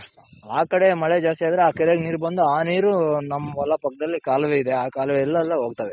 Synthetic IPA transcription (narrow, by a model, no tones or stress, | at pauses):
aːkɐɽe̞mɐɭed͡ʒaːst̪iaːd̪ɐɾeaːkɛɾeɡniːɾbɐnd̪uaːniːɾunɐmːɐʋɐlːɐpɐkːɐd̪ɐlːikaːlɐʋeːid̪eaːkaːlɐʋeɛlːɐɛlːɐɦo̞ːɡ̚t̪aːʋe